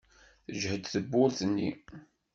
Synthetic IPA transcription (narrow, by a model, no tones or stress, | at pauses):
θəʒhəd̪θəbːʊɾθənːḭ